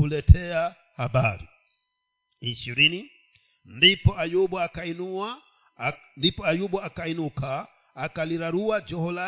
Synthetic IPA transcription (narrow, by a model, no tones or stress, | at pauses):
ulɛtʰɛa | habaɾḭ | iʃiɾini | ndipɔajubɔakainuwa | ndipɔajubɔakainukaː | kaliɾaɾuwad͡ʒɔhɔla